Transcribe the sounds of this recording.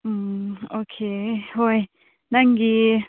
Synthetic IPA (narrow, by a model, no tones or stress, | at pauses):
okʰehoj | naŋɡi